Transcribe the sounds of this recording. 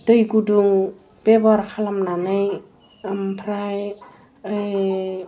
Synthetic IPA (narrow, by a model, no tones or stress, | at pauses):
d̥ɯjɡuduŋ | b̥ebaɾkʰalamnanɯj | ampʰɾaj